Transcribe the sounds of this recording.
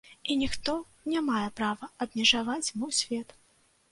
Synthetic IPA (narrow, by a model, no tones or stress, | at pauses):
inʲixt̪ɔ | nʲamajɛpɾavɐɐbmʲɛʐavat͡sʲmuwsʲvʲɛt̪